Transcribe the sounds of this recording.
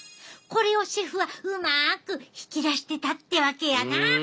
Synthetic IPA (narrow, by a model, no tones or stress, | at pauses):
ko̞ɾe̞o̞ɕiɸɯ̟βaɯmakɯ̟çi̥kʲiɾaɕi̥t̪e̞t̪at̪ːe̞βake̞jana